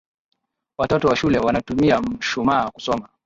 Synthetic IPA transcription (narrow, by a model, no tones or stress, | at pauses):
watɔtɔwaʃulɛwanatumiam̩ʃumaːku̥sɔma